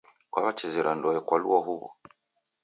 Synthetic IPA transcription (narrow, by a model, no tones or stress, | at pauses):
kwaβat͡ʃɛzɛɾandɔjɛkwaluaɦuβɔ̰